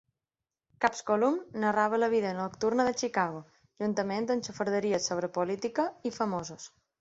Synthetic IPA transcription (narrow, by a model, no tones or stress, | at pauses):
kapskolumnəraβ̞ələβiðənokt̪urnəðət͡ʃikaɣo | ʒunt̪əment̪ənt͡ʃəfəɾðəɾiəsoβɾəpolit̪ikəifəmozos